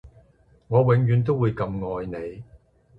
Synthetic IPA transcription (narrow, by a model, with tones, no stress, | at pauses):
ŋɔː˨˧wɪ˨˧ŋjyː˨˧nt̪̬o˥wuː˨˧jkɐ˧mŋɔː˧jne˨˧j